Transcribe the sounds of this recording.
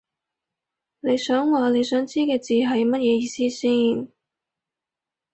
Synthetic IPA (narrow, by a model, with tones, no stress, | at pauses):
ne˨˧jsœː˨˥ŋwaː˨ne˨˧jsœː˨˥ŋt͡siː˥kɛː˧t͡siː˨ɦɐ˨jmɐ˥t̚jɛː˨˧jiː˨˧siː˥siː˥˩n